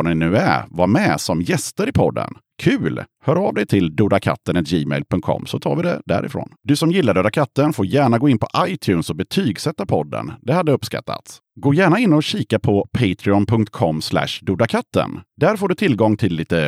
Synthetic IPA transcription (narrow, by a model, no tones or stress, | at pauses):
ɳɪnʉ̟ːæ̰ɾvamɛsɔmjɛst̪əɾɪpʰɔd̪ːə̰n | kʰʉ̟ːlhœːɾavd̪ɛjt̪ʰɪld̪uːd̪akʰa̰t̪ːənɛt̪d͡ʒiːmɛ̰ɪlpʰɵŋkt̪̚kʰɔ̰mːsɔt̪ʰɑ̰ːɾvɪd̪ɛ̰d̪æ̰ɾɪ̰fɾo̰ːnd̪ɵsɔmjɪlːad̪øːd̪akʰat̪ːənfoːɾjæːɳaɡoːɪnpʰɔʔajt̪ʰjʉːnsɔbɛt̪ʰyːɡsɛt̪ːapʰɔd̪ːə̰nd̪ɛhad̪ːəɵpːska̰t̪ʰːa̰t̪s | ɡoːjæːɳaɪnːɔɕiːkapʰɔpʰɛɪt̪ʰɾɪɔnpʰɵŋk̚t̪̚kʰɔmːslæ̰ʂd̪uːd̪akʰat̪ːə̰nd̪æɾfoːɖɵt̪ʰɪlɡɔŋːt̪ʰɪlːiːt̪ə